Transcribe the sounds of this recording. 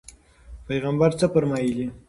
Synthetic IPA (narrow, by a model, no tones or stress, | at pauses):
pajɣambaɾt͡səpəɾmɑjili